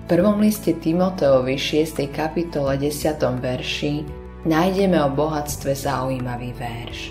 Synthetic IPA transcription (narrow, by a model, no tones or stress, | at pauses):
fpr̩ʋɔmliscɛt̪imɔt̪ɛɔʋiʃɪɛst̪ɛjkapit̪ɔlɛɟɛsɪat̪ɔmʋɛɾʃi | najɟɛmɛɔbɔɦat͡st̪ʋɛzaujiːmaʋiːʋɛɾʃ